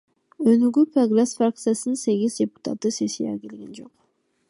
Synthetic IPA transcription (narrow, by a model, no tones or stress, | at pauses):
ønyɡyproɡɾesfrak̚t̪sɨjasɯnse̞ɡʲizdʲepu̥t̪at̪ːɯse̞sija̰kʲelɡend͡ʒo̞q